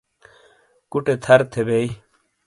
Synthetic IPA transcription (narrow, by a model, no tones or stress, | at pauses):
kuʈet̪ʰɐɾt̪ʰebei